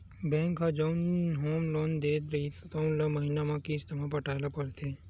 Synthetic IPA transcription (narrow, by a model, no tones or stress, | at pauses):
bɛ̃ːŋkɦad͡ʒoʊnɦoːmloːnd̪eːt̪ɾɐit̪t̪aũnlamɐɦiːnamãkiɪst̪ɐmapɐʈʰaːlapɐɾt̪ʰeː